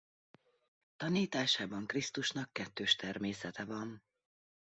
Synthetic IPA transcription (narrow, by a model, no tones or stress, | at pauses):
t̪ɒniːt̪aːʃaːbɒŋkrist̪uʃnɒkːɛt̪ːøːʃt̪ɛrmeːsɛt̪ɛvɒn